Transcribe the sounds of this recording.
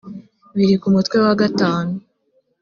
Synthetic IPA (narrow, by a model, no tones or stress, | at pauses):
βiɾikumutkwe̞waɡataːnu